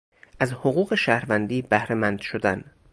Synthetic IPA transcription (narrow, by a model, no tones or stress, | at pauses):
ʔæzhoɣuːɣe̞ʃæhɾvænd̪iːbæhɾemænd̪̥ʃod̪æn